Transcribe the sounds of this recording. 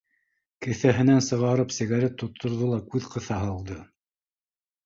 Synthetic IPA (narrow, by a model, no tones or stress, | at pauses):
kɘ̆θæɦɘ̆nænsɤ̆ʁɑɾɤpsɘ̆ɣæɾet̪ːŏt̪ʰːŏɾðɤlˠɑkʉðqɤ̆θɑɦɤ̆lˠd̪ɤ